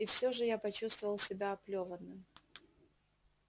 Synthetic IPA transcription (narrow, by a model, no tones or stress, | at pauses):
ifsʲoʐɨjapɐt͡ɕust̪vəvəlˠsʲɪbʲaɐplʲovənːɨm